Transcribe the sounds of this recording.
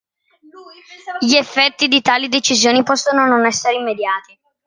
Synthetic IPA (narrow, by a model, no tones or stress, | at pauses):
ʎiefːɛt̪ːid̪it̪aːlid̪et͡ʃizjoːnipɔsːonononɛsːeɾeimːed̪jaːt̪i